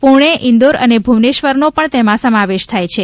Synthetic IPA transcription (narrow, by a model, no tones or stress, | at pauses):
puɳ̃eʔɪ̃nd̪oɾə̰nebʱuʋneʃʋəɾnopəɳt̪emãsəmãʋeʃt̪ʰajt͡ʃʰe